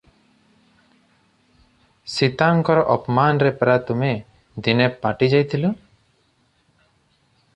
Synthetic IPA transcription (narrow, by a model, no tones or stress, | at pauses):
sit̪aŋkɔɾɔʔɔpmanɾɛpɾat̪ume | d̪inɛpaʈid͡ʒajt̪ʰilu